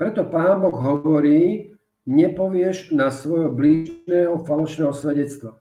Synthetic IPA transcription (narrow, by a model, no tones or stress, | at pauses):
pɾɛt̪ɔpaːnbɔɣɦɔʋɔɾiː | ɲɛpɔʋɪɛʒnasʋɔjɦɔbliːʒnɛːɦɔfalɔʃnɛːɦɔsʋɛɟɛt͡st̪ʋa